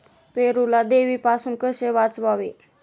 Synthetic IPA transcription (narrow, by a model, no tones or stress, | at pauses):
peɾulad̪eʋiːpasuːnkəseʋat͡sʋaʋe